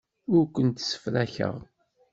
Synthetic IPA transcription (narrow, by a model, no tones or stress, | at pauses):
ʊɾkʷənt̪sə̥fɾæçə̰ʁ